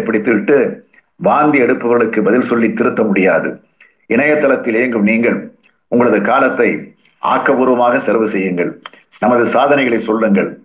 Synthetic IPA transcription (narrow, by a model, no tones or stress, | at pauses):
pːɐɽɪt̪ːɯʋɪʈːɯ | baːnd̪iɛɽɯpːɐʋɐɾɣɐɭɯkːɯbɐðɪlsɔlːit̪ːɪɾɯt̪ːɐmʊɽɪjaːðɯ̰ | ɪɳɐjɐt̪ːɐlɐt̪ːɪleːŋɡɯmniːŋɡɐɭ | ʊŋɡɐɭɐðɯkaːlɐt̪ːɐɪ | ʔa̰ːkːɐʋuːɾʋɐmaːɣɐsɛlʋɯsɛjːɯŋɡɐɭ | nɐmɐðɯsaːðɐnɐɪɣɐɭɐɪsɔlːɯŋɡɐɭ